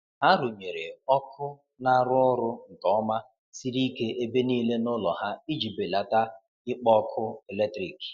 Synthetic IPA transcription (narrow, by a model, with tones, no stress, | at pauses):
ɦa˦ɾʊ˨ɲe˨ɾe˨ɔ˦kʰʊ˦ | na˦˨˦ɾʊ˦ʊ˦ɾʊ˦ŋ̩˨kɔ˨˦ma˦ | si˦ɾi˦ke˦ʔe˦be˦niː˦le˦nʊ˦lɔ˨ɦa˦i˦d͡ʒi˨be˨la˨ta˦ | ɪ˦k͡pɔ˦kʰʊ˦e˨le˦tɾi˨ki̥˨